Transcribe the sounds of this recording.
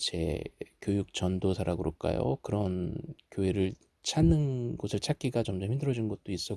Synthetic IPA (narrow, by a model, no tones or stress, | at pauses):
t͡ɕḛkjojuk̚t͡ɕʌndosʰaɾaɡɯɾok͈a̰jo̰kɯɾʌnkjoɦe̞ɾɯɭ | t͡ɕʰanːɯnɡosʰɯɭt͡ɕʰak͈iɡat͡ɕʌmd͡ʑemhindɯɾʌd͡ʑinɡʌt̚t͈ois͈ʌ